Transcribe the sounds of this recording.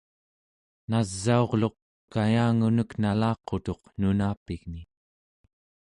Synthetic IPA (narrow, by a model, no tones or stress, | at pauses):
nazːao̞ʁlo̞q | kajaːŋunəknalɑːqo̞t̪o̞qnunaːpiɣni